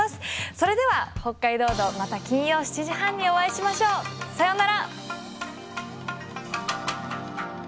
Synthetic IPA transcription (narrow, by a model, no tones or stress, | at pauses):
asɨ̥so̞ɾe̞d̪e̞βaho̞kːaid̪o̞ːd̪o̞mat̪akʲĩɰ̃jo̞ːɕi̥t͡ɕiʑihãɲ̟ːio̞βaiɕimaɕo̞ːsajo̞naɾa